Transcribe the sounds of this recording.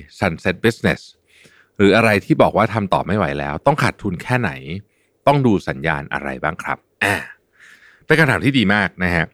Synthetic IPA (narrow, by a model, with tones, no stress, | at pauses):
sa˧˩nse˦˥t̪̚bi˦˥sne˨˦˩s | ɾɯː˩˦ʔa˧ɾa˧jt̪ʰiː˥˩bɔː˨˩k̚waː˥˩t̪ʰa˧mt̪ɔː˨˩p̚ma˥˩jwa˩˦jlɛ̰ː˦˥wt̪ɔ˥˩ŋkʰa˨˩t̪ʰːu˧nkʰɛː˥˩na̰˩˦j | t̪ɔ˥˩ŋduː˧sa˩˦nja̰ː˧nʔa̰˧ɾa̰˧jbaː˥˩ŋkʰɾa˦˥p̚ʔaː˨˩ | t̪ɛː˥˩ka˧mt̪ʰaː˩˦mt̪ʰiː˥˩diː˧maː˥˩k̚na˦˥kʰa˦˥ʔ